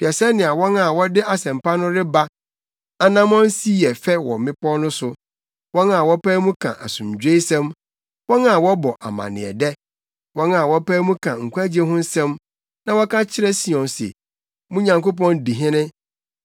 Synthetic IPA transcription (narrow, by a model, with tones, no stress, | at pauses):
b̥i˨a˨sɛ˦nɪ̃˨a˨wɔ̃˦na˨wɔ˦dɪ˦a˨sɛ̃˨m˨pa˦nʊ̃˦ɾɪ˦ba˦ | a˨nã˦mɔ̃˦n˦si˦jɛ˨fɛ˦wɔ˨mɪ̃˦pɔ˦nʊ̃˦sʊ˨ | wɔ̃˦nã˨wɔ˦pæː˦mũ˦kʰã̰˨ʔa̰˨sʊ̃˨md͡ʑᶣe˦i˦sɛ̃˦m | wɔ̃˦na˨wɔ˦bɔ˨ʔa̰˨mã̰˨nɪ̰̃˨ɛ̰˨dɛ˦ | wɔ̃˦nã˨wɔ˦pɛː˦mũ˦kʰã˨ŋ̩˨kʷu˦a˦d͡ʑi˦e˦ɦʊ̃˦n̩˦sɛ̃˦m | nã˨wɔ˦kʰã˦t͡ɕʰɪ˦ɾɛ˦si˨ɔ̃˨nsḛ˨ | mũ˦ɲã˨ŋko˦pɔ̃˦ndi˨ɦɪ̃˦nɪ̃˦